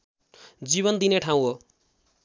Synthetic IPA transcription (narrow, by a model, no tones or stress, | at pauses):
d͡ziβʌnd̪ineʈʰaw̃ɦo